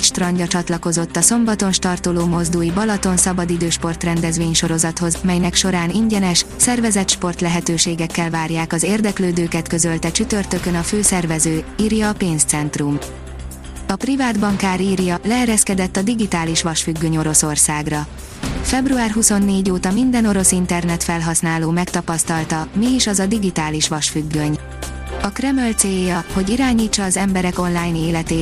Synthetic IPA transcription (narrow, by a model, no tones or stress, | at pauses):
ʃt̪rɒɲɟɒt͡ʃɒt̪lɒtko̞zo̞t̪ːɒso̞mbɒt̪o̞nʃt̪ɒrt̪oloːmo̞zd̪uːjibɒlɒt̪o̞nsɒbɒd̪id̪øːʃpo̞rt̪rɛnd̪ɛzveːɲʃo̞ɾo̞zɒt̪ho̞zmɛjnɛkʃo̞ɾaːniɲɟɛnɛʃsɛrvɛzɛt̪ʃpo̞rt̪lɛɦɛt̪øːʃeːɡɛkːɛlvaːrjaːkɒzeːrd̪ɛkløːd̪øːkɛt̪kø̞zø̞lt̪ɛt͡ʃyt̪ørt̪ø̞kønɒføːsɛrvɛzøːiːrjɒːpeːnst̪sɛnt̪rum | ɒprivaːd̪bɒŋkaːɾiːrjɒlɛɛɾɛskɛd̪ɛt̪ːɒd̪iɡit̪aːliʃʋɒʃfyɡːøɲo̞ɾo̞so̞rsaːɡrɒ | fɛbruaːrɦuso̞nːeːɟoːt̪ɒmind̪ɛno̞ɾo̞sint̪ɛrnɛt̪fɛlɦɒsn̪aːloːmɛkt̪ɒpɒst̪ɒlt̪ɒmiiʃɒzɒd̪iɡit̪aːliʃʋɒʃfyɡːø̞ɲ | ɒkrɛmølt̪seːjːɒho̞ɟiɾaːɲiːt͡ʃːɒːzɛmbɛɾɛko̞nlaːjneːlɛt̪eː